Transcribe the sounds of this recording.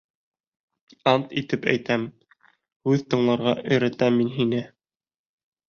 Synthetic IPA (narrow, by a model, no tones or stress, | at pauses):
ɑnt̪it̪ɘpæ̰jt̪æm | hʉðt̪ɤ̆ɴlˠɑɾʁɑʔɵ̆jɾæt̪æmːinɦinɘ